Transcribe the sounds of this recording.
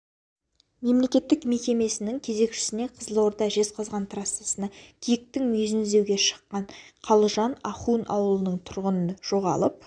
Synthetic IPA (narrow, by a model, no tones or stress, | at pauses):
me̞mle̞kʲe̞t̪ːɪkme̞kʲe̞me̞sɪnɪŋkʲʰe̞ze̞kʃɪ̥sɪne̞qʰəzəlˠoɾd̪ɑʒe̞zqʰɑzʁɑnt̪ʰrasːesənɑkʲʰijɪk̚t̪ɪŋmɵzɪnɪzd̪e̞wɡʲe̞ʃə̥qːɑɴqʰɑlˠəʒɑnɑχunʔɑ̰wəlˠənəɴt̪ʰʊɾʁənənʒ̥o̞ʁɑ̰lˠəp̚